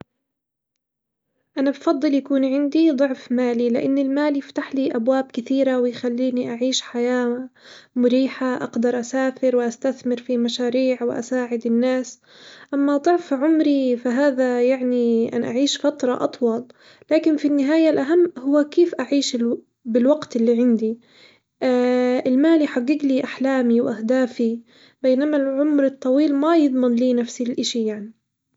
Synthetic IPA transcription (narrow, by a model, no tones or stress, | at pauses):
ʔanabfɑd̪ˤːɨljakuːnʕɪnd̪id̪ˤʊʕfmaːlilɪʔanːɪlmaːljɪft̪aħliʔabwaːb̚kɪθiːɾawɪjxalːiːniʔaʕiːʃħajaː | mʊɾiːħaʔɑ̰ɡd̪ɑɾˤʔasaːfɪɾwɪʔast̪aθmɪɾfimaʃaːɾiːʕwɪʔa̰saːʕɪd̪ɪnːaːs | ʔamːad̪ˤʊʕfʕʊmɾifaɦaːðajaʕniʔa̰nʔa̰ʕiːʃfat̪ɾˤɑ̰ʔɑ̰t̪ˤwɑlː | aːkɪnfinːɪɦaːjalʔaɦamːhʊwːakeːfʔaʕiːʃɪl | bɪlwaɡt̪ʔɪlːiːʕɪnd̪i | ʔɪlmaːlijħaɡːɪɡliʔaħlaːmiwʔahd̪aːfi | beːnamalʕʊmɾɨt̪ˤːɑwiːlmajɨd̪ˤmɪnliːnafsilʔɪʃijaʕni